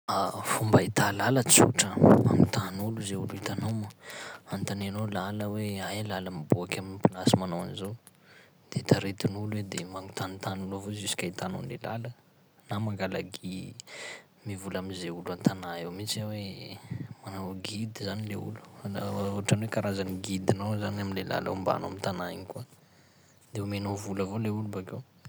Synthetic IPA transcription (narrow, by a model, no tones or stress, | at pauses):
afumbait̪alalət͡sṵʈ͡ʂəa̰mint̪anuluzeuluit̪anowməant̪ananolaləweajlaləmibuakʲaminipinasimanowanizo | d̪̥eit̪aɾet̪inuluwed̪emaŋut̪anit̪anulovozisi̥kʲait̪ano̰nḛla̰lə | namaŋɡalaɡi | mivulamizeulant̪anaewmit͡sawe | manawɡid̪izanileṵlu̥aʈ͡ʂanwekaɾazaniɡid̪inowzanaminlela̰la̰umba̰na̰mint̪anaiŋika | d̪̥eumenovuləvoleulubakew